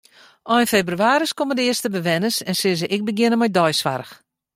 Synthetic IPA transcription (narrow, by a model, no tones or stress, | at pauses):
ʔɔjnfebryaːɾiskomədəɪəstəbəʋɛnəsɛnsɪzəʔɪk̚bəɡjɪnəmɔjdɔjsʋa̰rəx